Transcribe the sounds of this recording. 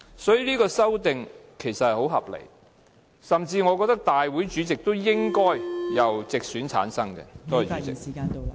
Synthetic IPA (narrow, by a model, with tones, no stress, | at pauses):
sɔː˨˥jiː˨liː˥kɔː˧sɐ˥wt̪ɪ˨ŋkʰe˨˩jsɐ˨t̚hɐ˨jho˨˥wɦɐ˨p̚lḛ˨˩j | sɐ˨mt͡siː˧ŋɔː˨˧k̬ɔː˧k̚t̪ɐ˥k̚t̪aː˨jwuː˨˥jt͡ʃyː˨˥t͡sɪ˨k̚t̪o˥wjɪ˥ŋkɔː˥jjɐ˨wt͡sɪ˨k̚syː˨˥nt͡sʰa̰ː˨˥nsɐ˥ŋkɛ̰˧t̪o˥whɐ˨jt͡ʃy˨˦t͡sɪ̰˨k̚ːaː˧